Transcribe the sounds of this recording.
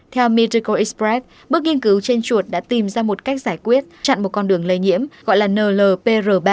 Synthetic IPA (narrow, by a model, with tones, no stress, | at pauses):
t̪ʰɛ˧wmi˧ti˧kə˧ʔi˦˥spɛ˦˥t̚ | ɓɨ˦˥ək̚ŋi˧ənkɨ˨˦wt͡ɕe˧nt͡ɕu˨˩ət̚ɗa̰ː˧˥t̪i˨˩mzaː˧mo˨˩t̚ka˦˥jk̟̚zaː˧˩jkwi˦˥ət̚t͡ɕa̰˧˨ŋmo˨˩t̚kɔ˧nɗɨ˨˩əŋlə˧jɲḭ˧˥əmɣɔ̰˧˨jlaː˨˩nəː˨˩ləː˨˩pe˧zəː˨˩ɓaː˧